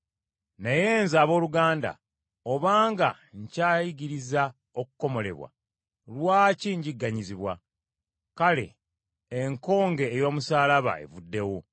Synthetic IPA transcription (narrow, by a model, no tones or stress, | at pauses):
neje̞ːnzaːβo̞ːluɡaːnda̰ | oβaːŋɡa | ɲcaːjiɡiɾiza | okuko̞mo̞le̞̰βwa̰ | lwaːciɲɟiɡːaɲiziβwa̰ | kale̞̰ː | ŋko̞ːŋɡe̞ːjo̞ːmusaːlaβa̰e̞̰vudːe̞wo